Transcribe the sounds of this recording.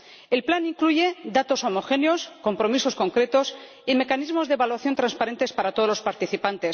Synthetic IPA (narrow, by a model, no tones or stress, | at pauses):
e̞lplaniŋkluʝe̞d̪at̪o̞so̞mo̞xe̞neo̞sko̞mpɾo̞miso̞sko̞ŋkɾe̞t̪o̞s | ime̞kanizmo̞zðeβalwaθjo̞nt̪ɾanspaɾe̞nt̪e̞spaɾat̪oð̞lo̞spaɾt̪iθipant̪e̞s